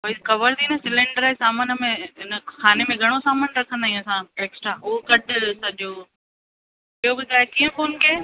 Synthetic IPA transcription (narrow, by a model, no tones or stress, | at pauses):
poikɐʋəɾd̪iːnəsɪlɪ̃ɳɖəɾesaːmənəmẽɦɪnəkʰaːnemẽɡʱɐɽ̃osaːmənɾɐkʰə̃nd̪aːĩə̃sãeːksʈɾaʊɦokɐʈɪsɐʄoː | iɦobʊd̪ʱaːekiːə̃foːnkeː